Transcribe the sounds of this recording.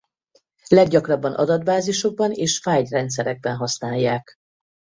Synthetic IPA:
lɛɡɟɒkrɒbːɒnʔɒ̰d̪ɒd̪baːziʃo̞ɡ̚bɒneːʃfaːjd̪rɛnt̪sɛɾɛɡ̚bɛnɦɒsnaːjːaːk

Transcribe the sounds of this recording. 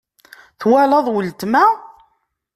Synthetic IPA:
θwælɑðˤwəlt̪mæ

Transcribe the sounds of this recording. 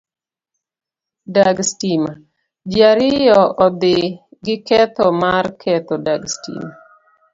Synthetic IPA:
daɡstima | d͡ʒjaɾɪjɔʔɔd̪ɪɡɪkɛt̪ɔmarkʰɛt̪ɔdaɡstḭma

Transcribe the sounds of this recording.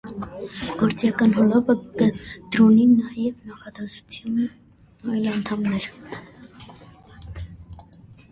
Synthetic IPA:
ɡ̥ɔɾt͡sjɑkɑnɦɔlɔpəkəd̪̥ɾɔninɑjɛvnɑχɑd̪ɛsu̥t͡s̪ʰjɑn | ɑjlɑnt̪ʰɑmnɛɾ

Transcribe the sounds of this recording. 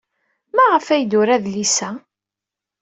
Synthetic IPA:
mæʁəfæjd̪ʊɾæðlisæ

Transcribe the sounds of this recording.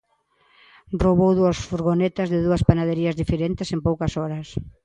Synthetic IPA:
roβowðuɐsfuɾɣonet̪ɐzðɪðuɐspanaðeɾiɐzðifeɾent̪ɪsempowkɐsɔɾɐs

